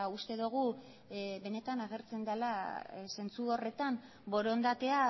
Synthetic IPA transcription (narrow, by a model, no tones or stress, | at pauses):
ust̪e̞ðuɣ̞u | be̞ne̞t̪anaɣ̞e̞ɾt͡se̞nd̪alase̞nt͡suo̞re̞t̪am | bo̞ɾo̞nd̪at̪e̞a